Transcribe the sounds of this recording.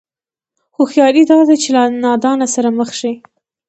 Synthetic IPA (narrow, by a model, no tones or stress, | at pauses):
xoxjɑɾid̪ɑd̪at͡ʃelanɑd̪ɑnasaɾaməxʃi